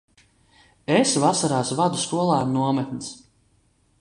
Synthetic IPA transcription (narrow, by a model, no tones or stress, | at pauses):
esvasaɾaːsvad̪uskuɔlˠaːnuɔmɛt̪nis